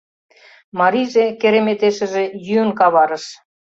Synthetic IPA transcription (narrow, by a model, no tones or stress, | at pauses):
mɑɾiʒekeɾemet̪eʃə̆ʒejyənkɑβɑɾə̆ʃ